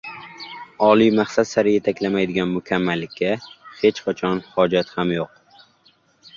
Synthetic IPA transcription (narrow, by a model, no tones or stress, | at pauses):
ɒlijmaχsat̪saɾɪje̞t̪ʰakʲlamajd̪ɪɡʲanmʊkʲʰamːalːɪkʲːahe̞t͡ʃqʰat͡ʃʰɒnhɒd͡ʒat̪hamjoq̚